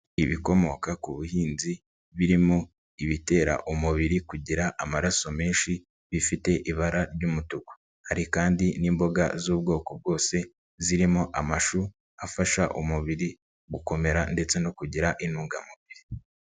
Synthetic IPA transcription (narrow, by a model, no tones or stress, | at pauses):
iβiko̞mo̞kakuβuhiːnzi | βiɾimo | iβite̞ːɾa̰ʔumuβiɾikuɟiɾaʔamaɾaso̞me̞ːnʃi | βifite̞ʔiβaɾaɾɟumutuko̥ | haɾikaːndiniːmbo̞ɡa̰zuːbɡo̞ːko̞b̚ɡo̞ːse̞ | ziɾimoʔamaʃu | afaʃaʔumuβiɾi | ɡuko̞me̞ɾande̞t͡se̞no̞kuɟiɾaʔinuːŋɡamuβiɾi